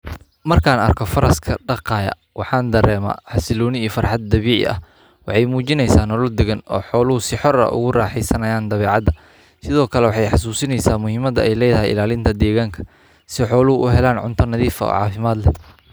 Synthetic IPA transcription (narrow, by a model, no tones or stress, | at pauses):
mɐrkʰaːnɐ̰rkʰɔfɐɾɐskʰɐɖɑqɑːjɐ̰ | wɑħɑːnd̪ɐɾɛːma̰ħɑsɪlɔːnɪiːfɐrħɑd̪̚ːɐβiːʕɪ̰ʔɐ̰h | wɑħɑjmuːt͡ʃɪnɛjsaːnɔlɔld̪ɛɣɐnɔ̰ːħɔːlʊʊsɪħɔɾɐ̰ʔʊ̰ɣʊraːħɛjsɐnɐjaːnd̪ɐβɛːʕɑd̪ɐ | sɪðɔːkʰɐlɛwɑħɑjħɑs̬uːsɪnɛjsaːmʊhɪmɐd̪ɐɛjlɛjðɐɦɛjɪ̰laːlɪnt̪ʰɐd̪ɛːɣaːŋkʰɐ̥ | sɪħɔːlʊhʊʔʊɦɛlaːnʕʊ̰nt̪ʰɐnɐðiːfɐ̰ɔ̰ːʕɑ̰ːfɪmaːd̪lɛ